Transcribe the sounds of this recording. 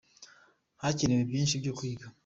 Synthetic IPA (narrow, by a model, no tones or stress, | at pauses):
hacinewebɟiːnʃibɟokwiːɡa